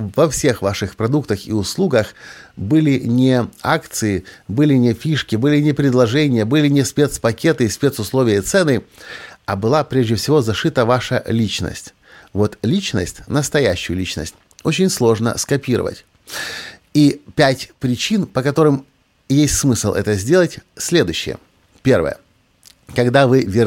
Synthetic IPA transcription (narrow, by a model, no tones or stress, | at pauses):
vɐfsʲe̞xvaʂɨxpɾɐd̪ukt̪əxḭʊslˠuɡəxbɨlʲɪnʲɪakt̪sɨɪbɨlʲɪnʲɪfʲiʂkʲɪbɨlʲɪnʲɪpɾʲɪd̪lˠɐʐɛnʲɪjəbɨlʲɪnʲɪspʲe̞t̪spɐkʲe̞t̪ɨisʲpʲet̪sʊslˠo̞vʲɪjət̪sɛnɨ | abɨlˠapɾʲeʐdʲɪfsʲɪvozɐʂɨt̪əvaʂəlʲit͡ɕnə̰sʲtʲ | vo̞t̪lʲit͡ɕnə̰sʲtʲnəst̪ɐjæɕːʊjʊlʲit͡ɕnə̰sʲtʲ | o̞t͡ɕɪnʲslˠo̞ʐnə̰skɐpʲiɾə̰və̰tʲ | ipʲætʲpɾʲɪt͡ɕinpəkɐt̪o̞ɾɨm | jesʲtʲsmɨsɨlˠʔɛ̰t̪əzʲdʲe̞lˠətʲsʲlʲe̞d̪ʊjɕːɪ̰jə̰ | pʲe̞rvə̰jə̰ | kɐɡd̪avɨvʲɪ